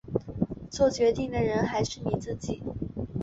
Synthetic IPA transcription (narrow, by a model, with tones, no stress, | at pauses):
t͡swɔ˥˩t͡ɕɥɛ˧˥t̪i˥˩ŋd̪ə˩ɻə˧˥nxa˧˥ɪʂɻ̩˥˩ni˨˩t͡sɹ̩˥˧t͡ɕi˨˩˦